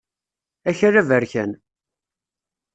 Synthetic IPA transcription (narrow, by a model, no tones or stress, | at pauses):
æçərævəɾçæn